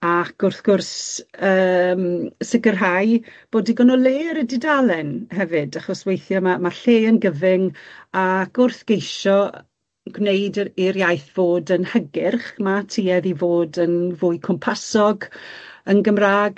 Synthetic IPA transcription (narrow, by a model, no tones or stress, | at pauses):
akʊrθɡ̥ʊrsəːmsɪɡərɦajb̥oːdiɡɔnɔleːɾədidalˠɛnhɛvɨdaχɔswejθjɔmamaɬeːənɡəvɪŋakʊrθɡ̥ejʃɔ | ɡ̥nejdiɾjajθv̥oːdənhəɡɪrχmatʰiːɛðivoːdənvʊɨjkʰɔmpʰasɔɡənɡəmraːɡ